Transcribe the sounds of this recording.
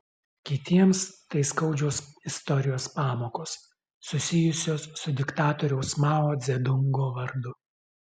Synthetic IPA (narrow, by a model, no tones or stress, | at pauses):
kʲɪt̪ʲiɛmst̪ɐɪskɒʊd͡ʒʲɛʊsɪst̪ɔɾʲɪjoːspɑːmoːkoːsː | ʊsʲɪjʊsʲoːsːʊd̪ʲɪkt̪ɑːt̪ɔɾʲɛʊsmɑːoːd̪zʲɛd̪ʊŋɡoːʋɐɾd̪ʊ